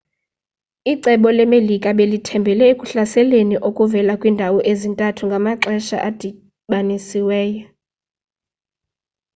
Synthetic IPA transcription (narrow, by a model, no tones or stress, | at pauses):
iǀɛɓɔlɛmelikʼaɓelitʰɛmbʱɛlɛekʼuɬasɛleniʔokʼuvɛlakʼwindʱawɔʔezintʼatʰuŋɡʱamaǁɛʃa̰ʔad̥ʱi | ɓanisiwɛːjɔ